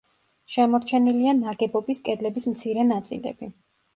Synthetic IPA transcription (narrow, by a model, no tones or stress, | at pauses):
ʃɛmɔɾt͡ʃʰɛnilianaɡɛbɔbiskʼɛd̪lɛbismt̪sʰiɾɛnat̪sʼḭlɛ̰b̥i